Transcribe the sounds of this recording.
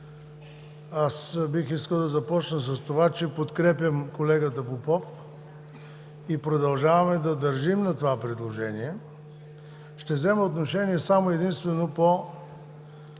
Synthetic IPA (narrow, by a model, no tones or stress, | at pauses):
asbixiskəlˠd̪ɐzɐpɔt͡ʃnəs̬ɐst̪ovat͡ʃɛpot̪kɾɛpʲjɐmkolɛɡət̪əpopɔf | ipɾod̪ɐlˠʒavɐmɛd̪ɐd̪ɐɾʒimnɐt̪ovapɾɛd̪lˠoʒɛniɛ | ʃt̪ɛvzɛmɛot̪noʃɛniɛsamoɛd̪inst̪vɛnopo